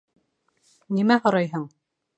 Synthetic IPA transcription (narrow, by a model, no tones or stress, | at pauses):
nimæhŏɾɑjɦɤɴ